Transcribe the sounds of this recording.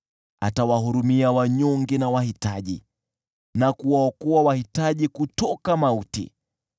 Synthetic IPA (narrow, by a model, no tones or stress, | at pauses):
a̰tawaɦuɾumiawaɲɔŋɡɛnawahitaʄḭ | nakuwaɔkɔawahitaʄikutɔkamautḭ